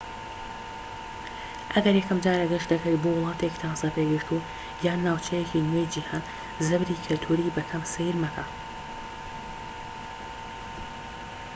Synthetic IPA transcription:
ʔɐɡɐɾjɛkɐmd͡ʒaːɾɐɡɐʃtd̪ɐkɐjbowʊlˠɑːt̪ʰekt̪ʰasɐpeɡɨɾt̪ʰu | jaːnːaːwt͡ʃʰɛjekinwejd͡ʒihaːn | zɐbɾiːkʰɨlt̪ʰuɾibɐkʰɐmsɨjiɾmɐkʰa

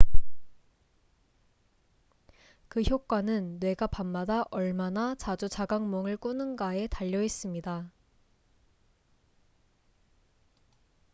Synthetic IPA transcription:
kɯçjok̚k͈wanɯnːwe̞ɡapamːadaʔʌɭmanat͡ɕad͡ʑut͡ɕaɡaŋmʌŋɯɭk͈unɯnɡae̞taʎːʌis͈ɯmɲida

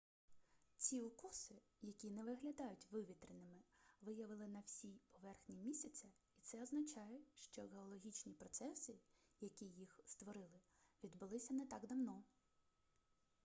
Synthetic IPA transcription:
t͡sʲiʊkusɪ | jɐkʲinɛʋɪɦlʲɐd̪ɑjʊtʲʋɪʋʲit̪ɾɪnɪmɪʋɪjɐʋɪlˠɪnɐwsʲijpɔʋɛrxnʲimʲisʲɐt͡s̪ʲɐ | it̪sɛɔznɐt͡ʃɑjɛʃt͡ʃɔɣeɔlˠɔɦʲit͡ʃnʲipɾɔt̪sɛsɪjɐkʲijixst̪ʋɔɾɪlˠɪ | ʋʲid̪bʊlˠɪsʲɐnɛt̪ɑɡd̪ɐwnɔ

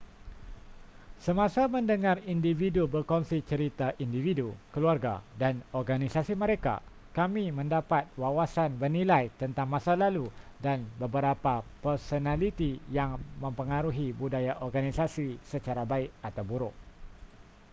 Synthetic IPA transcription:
səmãsamə̃ndəŋarindividubərkɔnsit͡ʃəɾit̪aʔindividukəluarɡa̰danɔrɡanisasimə̃ɾeka̰ | kamimə̃ndapat̪̚wawasanbərnilajt̪ənt̪aŋmãsalaludanbəbəɾapapərsonãlit̪ijaŋmə̃mpəŋaɾuɦibudajaʔɔrɡanisasisət͡ʃaɾabaɪk̚at̪awbuɾʊʔ̚

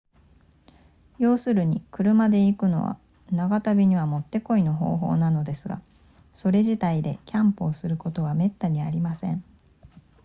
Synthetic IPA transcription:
jo̞ːsɨɾɯ̟ɲ̟ḭkɯ̟ɾɯ̟mad̪e̞ikɯ̟no̞̰βa̰ | naɡat̪abʲiɲ̟iβamo̞t̪ːe̞ko̞ino̞ɦo̞̰ːɦo̞ːnano̞d̪e̞sɨɡa̰ | so̞ɾe̞ʑit̪aid̪e̞̰kʲʰãmpoːsɨɾɯ̟ko̞t̪o̞β̞ame̞t̪ːaɲ̟iaɾʲimasẽ̞ɴ

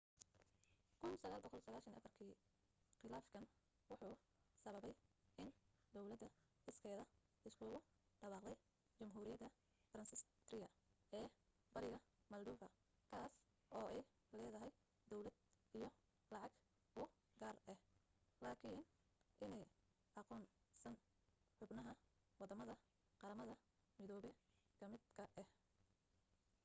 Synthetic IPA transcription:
kʰʊnsɐɣaːlbɐkʰɔlsɐɣaːʃɐnʔɐ̰fɐrkʰiː | χɪlaːfkʰɐn | wɑħuː | sɐβɐβɛjʔɪnd̪ɔwlɐd̪ɐɪskʰɛːðɐ | ɪskʰʊɣʊ | ɖɐβɑːqd̪ɛj | t͡ʃɐmɦuːɾɪjɐd̪ɐ | fɐɾɐnsɪst̪rɪjɐ | ɛː | bɐɾɪɣɐ | mɐld̪uːfɐ | kʰaːs | ʔɔːʔɛj | lɛːðɐɦɛj | d̪ɔwlɐd̪̚ | ijɔ | lɑʕɑɡ | ʊ | ɡaːrɛhlaːkʰɪːn | ʔɪnɛj | ʔɑqɔːnsɐn | ħʊbnɐɦɐ | wɑd̪ɐmɐðɐ | qɑɾɐmɐðɐ | mɪðɔːβɛ | kʰɐmɪd̪kʰɐʔɛh

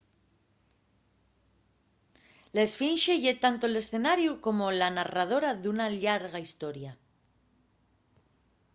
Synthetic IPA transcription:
laesfinʃeʝet̪ant̪oele̞sθe̞naɾjuko̞mo̞lanarað̞o̞ɾaðunaʎaɾɣaist̪o̞ɾja

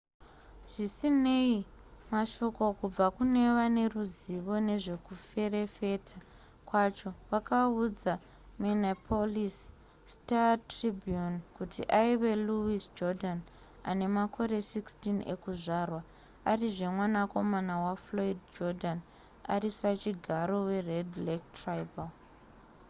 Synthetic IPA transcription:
ʐ̥isine̞i | maʃo̞ko̞kub͡vakune̞ʋane̞ruziʋo̞ne̞ʐe̞kufe̞re̞fe̞tʰa | kwat͡ʃo̞ʋakaud͡za | menapʰolis | tatribjunkutʰḭʔaiʋe̞luisd͡ʒodan | a̰ne̞makʰo̞ɾe̞sikstine̞̰kuʐarwa | ariʐe̞mwanako̞manawafloidd͡ʒodʱan | a̰risat͡ʃiɡʱaɾo̞we̞redlek̚trajbal

